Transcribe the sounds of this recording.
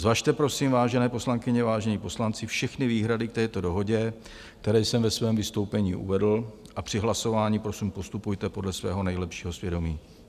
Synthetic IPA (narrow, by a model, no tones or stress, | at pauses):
zvaʃt̪ɛpɾo̞siːmvaːʒɛnɛːpo̞slaŋkɪɲɛvaːʒɛɲipo̞slant͡sɪfʃɛxnɪviːɦɾadɪk̚t̪ɛːt̪o̞do̞ɦo̞ɟɛ | kt̪ɛɾɛːjsɛmvɛsvɛːmvɪst̪o̞wpɛɲiːʔṵvɛdl̩ | ʔapr̝̥ɪɦlaso̞vaːɲiːpɾosiːmpo̞st̪upujt̪ɛpodlɛsvɛ̰ːɦo̞nɛjlɛpʃiːɦo̞svjɛdo̞miː